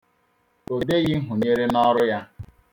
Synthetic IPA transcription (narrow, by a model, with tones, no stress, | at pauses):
o˨de˦ɣɪ˦ɦʊ˨ɲe˦ɾe˦nɔ˦ɾʊ˦ja˦